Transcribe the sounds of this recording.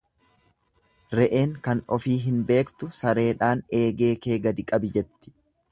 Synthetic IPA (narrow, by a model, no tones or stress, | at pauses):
ɾɛʔeːŋkɐnɔfiːɦɪnbe̞ːkt̪ʊsɐɾe̞ːᶑaːne̞ːɡe̞ːke̞ːɡɐd̪ɪkʼɐbɪd͡ʒɛt̪ːɪ̥